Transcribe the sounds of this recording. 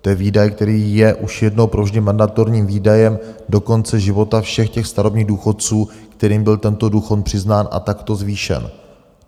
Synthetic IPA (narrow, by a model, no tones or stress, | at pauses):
t̪ojɛviːdajkt̪ɛɾiːjɛʔuʃjɛdno̞wpɾovʒɟɛmandat̪o̞ɾɲiːmviːdajɛmdo̞ko̞nt͡sɛʒɪvo̞t̪afʃɛxcɛxst̪aɾo̞bɲiːɣduːxo̞t̪̚t͡suːkt̪ɛɾiːmbɪlt̪ɛnt̪o̞duːxot̪̚pr̥ɪznaːnʔa̰t̪akt̪o̞zviːʃɛ̰n